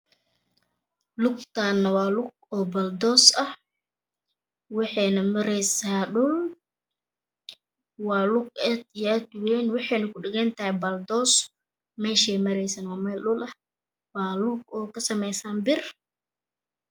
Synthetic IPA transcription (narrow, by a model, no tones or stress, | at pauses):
lʊɡt̪ʰaːnːɐwɑːlʊɡ̚ | ɔːbɐld̪ɔːsɐh | wɑħɛːnɐmɐɾɛjsaːɗʊl | wɑːlʊɡ̚ɛd̪jɛd̪wɛːnwɑħɛːnɐkʰʊɖɪɣɛnt̪ɐhɛbɐld̪ɔːs | mɛːʃɛːmɐɾɛjsɐnwɑːmɛːlɗʊlʔɐh | wɑːlʊɡ̚ɔːkʰɐsɐmɛjsaːnbɪr